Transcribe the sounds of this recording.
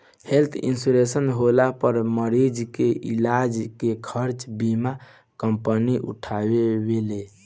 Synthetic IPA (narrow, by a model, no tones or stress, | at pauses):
helt̪ʰḭnsuɾesənɦolapəɾməɾid͡ʒkeʔilad͡ʒkekʰəɾt͡ʃbima | kəmpəniʔṵʈʰabebele